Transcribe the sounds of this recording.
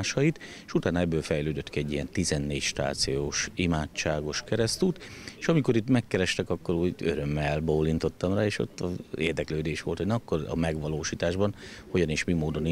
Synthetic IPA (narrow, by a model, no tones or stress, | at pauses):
aʃɒjit̪eʃut̪aːnɒɛbːøːlfɛjløːd̪øt̪kiɛɟːijɛnt̪izɛnːeːcʃt̪a̰ːt̪sijoːʃimaːt͡ʃːaːɡo̞ʃkɛɾɛst̪yːt̪eʃɒmiko̞ɾit̪mɛkːɛɾɛʃt̪ɛkɒkːo̞ɾuːɟø̰ɾø̞mːɛlboːlːint̪o̞t̪ːɒmraːeːʃo̞̰t̪ːɒḛːrd̪ɛkløːd̪eːʃʋo̞lt̪honɛmɒkːo̞rɒ̰mɛɡʋɒloːʃiːt̪aːʒbɒnho̞ɟɒneːʃmimoːd̪o̞n